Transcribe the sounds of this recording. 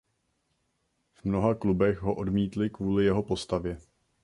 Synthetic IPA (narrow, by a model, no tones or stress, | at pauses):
v̥mno̞ɦaklubɛxɦo̞ʔo̞dmiːt̪lɪkvuːlɪjɛɦo̞po̞st̪avjɛ